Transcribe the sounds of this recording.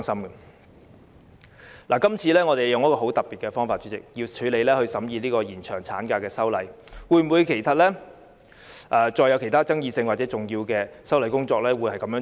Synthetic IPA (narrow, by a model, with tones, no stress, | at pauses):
ŋsɐ˥mɡɐ˨ | la˨˩kɐ˥mt͡sʰiː˧lɛː˥ŋɔ˨˧t̪e˨jjʊ˨ŋjɐ˥kɔː˧ɦo˨˥wt̪ɐ˨˩p̚i˨t̚kɛ˧fɔː˥ŋfaː˨t̚t͡ʃy˨˥t͡sɪ̰˨k̚jiː˧wt͡ʃʰyː˨˥le˨˧jlɛː˥hɵ˧ɥsɐ˨˥mjiː˧liː˥kɔː˧jiː˨˩nt͡ʃʰœː˨˩ŋt͡sʰaː˨˥nkaː˧kɛː˧sɐ˥wlɐ˨˥j | wuː˨˧jm̩˨wu˨˧jkʰe˨˩jt̪ʰa˨t̚lɛː˥ | ʔaː˨t͡ʃɔː˧jːɐ˧wkʰe˨˩jt̪ʰaː˥t͡sɐ˥ŋjiː˧sɪ˧ŋwaː˨t̚t͡sɛː˨˦˥t͡sʊ˨˩ŋjiː˧wkɛː˧sɐ˥wlɐ˨˥jkʊ˥ŋt͡sɔː˧k̚lɛː˥wuː˨˥jhɐ˨jkɐ˨˧mjœː˨˧˥